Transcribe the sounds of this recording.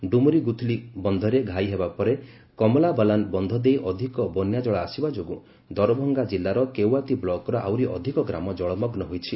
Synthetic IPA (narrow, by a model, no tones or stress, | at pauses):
ɖumuɾiɡut̪ʰlibɔnd̪ʱɔɾeɡʱajɦebapɔɾe | kɔmɔlabalanbɔnd̪ʱɔd̪ejʔɔd̪ʱikɔbɔnjad͡ʒɔɭaːsibad͡ʒoɡu | d̪ɔɾɔbʱɔŋɡad͡ʒilːaɾɔkewat̪iblɔkɔɾɔʔa̰wɾiʔɔd̪ʱikɔɡɾa̰mɔd͡ʒɔɭɔmɔɡnɔɦojt͡ʃʰi